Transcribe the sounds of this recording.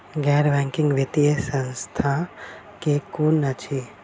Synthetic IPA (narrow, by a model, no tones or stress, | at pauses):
ɡɛːɾʋɛ̃ŋkɪ̃ŋɡʋit̪ijesə̃nst̪ʰa | kekunət͡ʃʰi